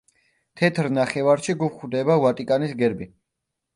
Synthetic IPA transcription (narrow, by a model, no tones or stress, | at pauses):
t̪ʰɛt̪ʰɾnaχɛvaɾʃiɡupχwd̪ɛbavat̪ʼikʼanisɡɛɾbi